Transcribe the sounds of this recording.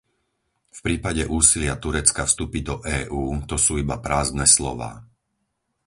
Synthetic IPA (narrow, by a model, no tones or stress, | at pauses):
fpɾiːpaɟɛʔuːsilɪat̪uɾɛt͡skafst̪uːpid̪ɔʔɛːʔuːt̪ɔsuːibapɾaːzd̪nɛslɔ̰ʋa̰ː